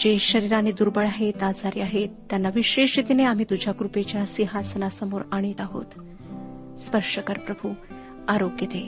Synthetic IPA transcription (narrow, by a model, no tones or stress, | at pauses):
d͡ʑeɕəɾiɾanːid̪uːɾbəɭaɦet̪ad͡zaɾiaɦet̪ːjanːaʋiɕeʂit̪ineam̤it̪ud͡ʑʱjaɡɾupet͡ɕjasiɦasənasəmoɾaɽ̃iːt̪aɦo̰t̪ | spəɾʂəkəɾpɾəbʱu | aɾokjət̪e